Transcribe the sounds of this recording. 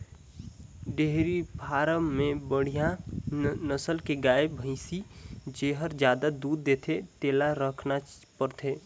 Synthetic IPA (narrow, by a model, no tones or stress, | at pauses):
ɖeɦɾibʱaːɾəmẽbəɽ̤ijã | nəsəlkeɡaːebʱə̃ɪsid͡ʒeːɦəɾd͡ʒjaːd̪ad̪uːd̪ːeːt̪ʰet̪eːlaɾəkʰna | pəɾt̪ʰeː